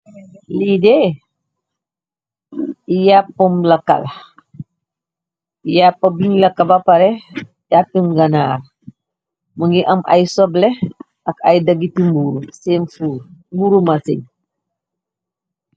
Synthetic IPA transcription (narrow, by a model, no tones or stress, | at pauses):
lide | ijapːumlɐka̰l | japːɐbiɲlɐkabapaɾe | japːimɡɐnaːr | muŋɡiʔɐmʔa̰jsɔble | ɐkajdɐɡitimbuɾuseːnfuːɾmbuɾumasiɲ